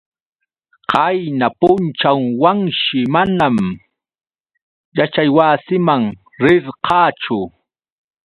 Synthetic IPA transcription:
qɑjnapʊnt͡ʃawwaŋʃɪmanam | jat͡ʃajwasɪmaŋ | ɾɪɾqʰɑːt͡ʃʊ

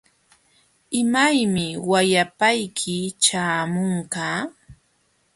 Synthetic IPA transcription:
ɪmajmɪwajapajkʰɪt͡ʃaːmʊŋkaː

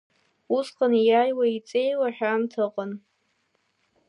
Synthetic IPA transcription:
usqʼanjajwait͡sʼe̞jwaħᶣamtʰɨqʼən

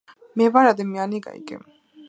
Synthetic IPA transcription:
mɛvaɾad̪ɛmianiɡa̰ḭɡɛ̰m

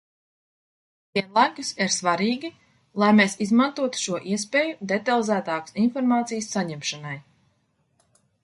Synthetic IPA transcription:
viɛnlˠajkusiɾsvaɾiːɡʲi | lˠajmeːsizmant̪uɔt̪u̥ʃuɔʔiɛspʲeːjud̪et̪alˠizæːt̪aːksinfɔɾmaːt̪sijəsːaɲɛmʃanaj

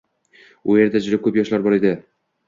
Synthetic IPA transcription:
ujeɾd̪ad͡ʒʊɾɪp̚kʰːɵpjɒʃlaɾbɒɾed̪ɪ

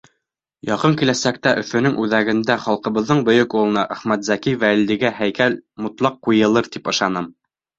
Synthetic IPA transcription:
jɑqɤŋkilæsæk̚t̪æʔɵ̆fɵ̆nɵŋʔʉðæɡɘ̆nd̪æχɑlˠqɤ̆βɤ̆ðːɤɴbɵ̆jɵkulˠɤ̆nɑʔæχmæt̪zækivællːɘ̆ɡæhæjkælmŏt̪lˠɑqːujɤ̆lˠɤɾt̪ipɤ̆ʃɑnɤm

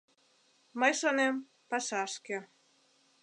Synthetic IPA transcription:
məjʃonem | pɑʃɑʃke

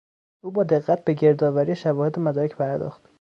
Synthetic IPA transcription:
ʔuːbɒːd̪e̞ɣːæt̪̚be̞ɟe̞ɾd̪ɒːvæɾijeʃævɒːhed̪emæd̪ɒːɾecʰpʰæɾd̪ɒ̰ːxt̪

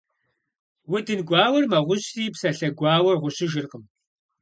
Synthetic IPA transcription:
wʊdɨnɡʷɑːwɐrmɐʁʷʊɕriːpsɐɬɐɡʷɑːwɐrʁʷʊɕɪʒɪrqəm

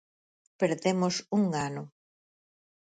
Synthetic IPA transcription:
peɾðemosuŋanʊ

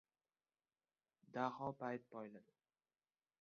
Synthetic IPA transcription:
d̪ahɒpajt̪̚pɒjlad̪ɪ

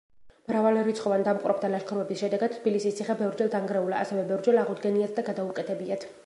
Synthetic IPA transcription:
mɾavaliɾit̪sʰχɔvand̪amqʼɾɔbd̪alaʃkʰɔɾvɛbisʃɛd̪ɛɡad̪̥̚t̪ʰːbilisist̪sʰiχɛbɛvɾd͡ʒɛlˠd̪ʰaŋɡɾɛulaa̰sɛvɛbɛvɾd͡ʒɛlaʁud̪ɡɛniat̪̚ʰd̪aɡad̪aukʼɛt̪ʰɛbiat̪ʰ

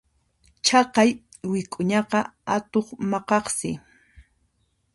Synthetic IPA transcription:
t͡ʃɑqɑj | wɪkʼʊɲɑqɑat̪oχmɑqɑχsɪ

